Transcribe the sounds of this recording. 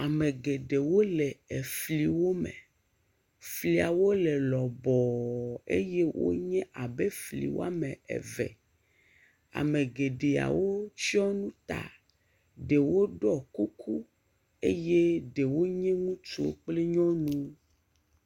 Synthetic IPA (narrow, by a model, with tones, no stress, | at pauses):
a˨mẽ˨ɡe˨ɖe˨wo˦lɛ˨ɛ˨fli˨wo˦mḛ˨ | fli˨a˨wo˦lɛ˨lɔ˨bɔ˨ḛ˦je˦wʔo̰˦ɲɛ̃˦ʔa˨be˦flḭ˨wo̰˦a˦mɛ̃˨ɛ̰˨vɛ̰˨ | a̰˨mẽ˨ɡe˨ɖe˨a̰˨wo˦t͡ɕi˦ɔ˦nũ˦t̪a̰˨ | ɖe˨wo˦ɖɔ˦˨ku˦kʰu˦ | e˦je˦ɖe˨wo˦ɲɛ̃˦ŋũ˦t͡ʃo̰˦k͡ple˦ɲɔ̃˦nũ˦